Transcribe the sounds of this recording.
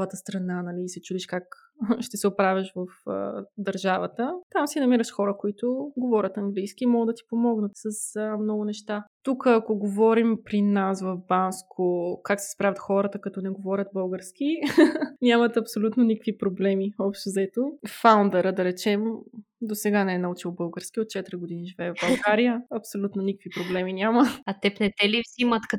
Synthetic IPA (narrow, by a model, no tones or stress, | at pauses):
vət̪əst̪ɾɐnanɐliːsɛt͡ʃud̪iʃkak | ʃt̪ɛsɛʊpɾavʲjəʃvɐfə̰d̪ɐɾʒavət̪ət̪amsinɐmiɾəʃxɔɾəkoit̪ʊɡovɔɾʲət̪ɐŋɡlijsk̟ʲiːmɔɡəd̪ɐt̪i̥pomɔɡnət̪səsəmnɔɡʊnɛʃt̪at̪ukəːkoɡovɔɾimpɾinasvɐvbanskʰokaksɛ̥spɾavʲət̪xɔɾət̪əkɐt̪ɔnɛɡovɔɾʲət̪̚bɤlˠɡəɾsk̟i | nʲamɐt̪ɐpsolʲut̪nonikə̥kvipɾoblɛmiɔpʃt̪ozɐɛt̪ofawnd̪ɛɾəd̪ɐɾɛt͡ʃɛm | d̪osɛɡanɛɛnɐut͡ʃilˠbɤlˠɡəɾskiot̪̚t͡ʃɛt̪iɾʲiɡod̪iniʒivɛːvbɐlˠɡaɾijəɐpsolʲut̪nonikəkvipɾoblɛminʲaməɐt̪ɛpnɛt̪ɛlivzimət̪kɐ